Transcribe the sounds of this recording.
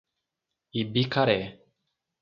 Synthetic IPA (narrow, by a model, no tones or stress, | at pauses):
ibikaɾɛ